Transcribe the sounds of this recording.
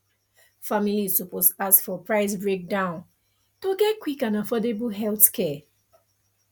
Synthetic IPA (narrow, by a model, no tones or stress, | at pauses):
familisuposasfɔpɹaɪsbɹek̚dãʊ̃n | toɡɛtkwikãnafɔdebuɦɛlθkʰɛ